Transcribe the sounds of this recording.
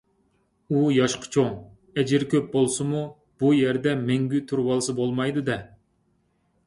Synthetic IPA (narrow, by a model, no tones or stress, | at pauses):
ujɑʃqʰə̥t͡ʃʰoŋ | ɛd͡ʒɪɾkʲøp̚bolˠsɨmu | b̥ujɛɾd̪ɛmɛŋɡʲyt̪ʰuɾwɑlˠɨsɨbolˠmɑjd̪ɨd̪ɛ